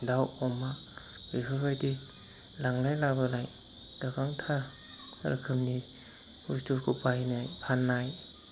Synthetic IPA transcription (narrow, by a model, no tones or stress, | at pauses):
dawɔma | bibʰabajdi | laŋɾajlabalaj | d̥abaŋtʰa | a̰ɾkʰɯmni | hustukʰupajnajpʰanːaj